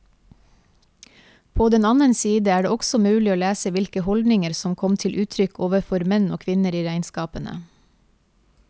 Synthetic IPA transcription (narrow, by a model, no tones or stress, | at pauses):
pʰoːd̪ɛnɑnənsiːd̪əæːɖeːɔɡsɔmʉːlɪoːlæːsəʋɪlkəhɔld̪nɪŋəɾsɔmkʰɔmt̪ʰɪlʔʉːt̪ʰɾʏkʰoːʋəfɔɾmɛno̰ːkʰʋɪnəɾiːɾæɪnskɑːpənə̰